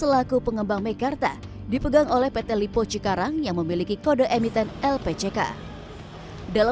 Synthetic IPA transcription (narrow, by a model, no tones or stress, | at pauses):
səlakupəŋəmbaŋmɛkart̪a | dipəɡaŋolɛhpet̪ɛlipot͡ʃikaɾaŋjaŋməmilikikodaʔemit̪ɛnɛlpet͡ʃeka̰ | dala